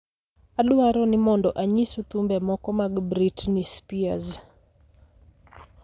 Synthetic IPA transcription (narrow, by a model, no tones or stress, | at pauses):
adʊwaɾɔnɪmɔndɔʔaɲisut̪umbɛmɔkɔmaɡbɾitnispiaz